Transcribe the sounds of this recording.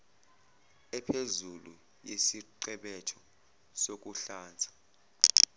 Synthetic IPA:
ɛpʰezulu | jesiǃɛɓɛtʰɔ | sok̬ʼuɬaːnd͡zʱḁ

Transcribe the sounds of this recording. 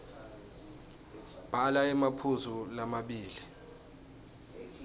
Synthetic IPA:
b̥ʱalaɛmapʰuzulamaɓiːli

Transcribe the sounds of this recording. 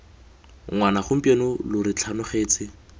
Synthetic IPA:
ŋwanaχʊm̩pʼenʊlʊɾɪt͡ɬʰanʊχeːt͡sɪ

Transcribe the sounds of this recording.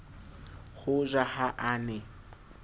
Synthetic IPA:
ɣʊʒʷahaʔaːnɛ

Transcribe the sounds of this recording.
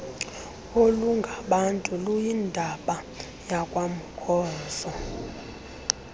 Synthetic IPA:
oluŋɡʱaɓantʼulujindʱaɓa | jakʼwam̩kʰʼɔːsɔ

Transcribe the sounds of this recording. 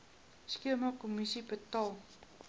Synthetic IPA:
skiəmakomisipətɑlˠ

